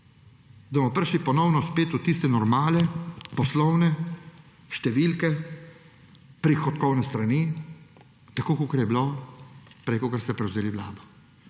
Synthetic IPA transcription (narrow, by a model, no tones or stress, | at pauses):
d̪amɔpəɾʃlipɔnɔwnɔspeːt̪ut̪ist̪ɛnɔɾmaːlɛpɔslɔwnɛ | ʃt̪ɛʋilkɛ | pɾixɔt̪kɔwnɛst̪ɾani | t̪akoːkokɐɾjɛbilo | pɾekɔkaɾst̪ɛpɾɛwzeːlibla̰ːd̪ɔ